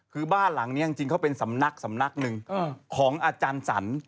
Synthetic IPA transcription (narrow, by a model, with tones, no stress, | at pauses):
kʰɯː˧baː˥˩nla˩˦ŋniː˦˥ja˧ŋt͡ɕi˧ŋkʰa˦˥˩wpe˧nsa˩˦mna˦˥k̚sa˩˦mna˦˥k̚nɯ˧ŋ˧kʰɔː˩˦ŋʔaː˧t͡ɕaː˧nsa̰˩˦n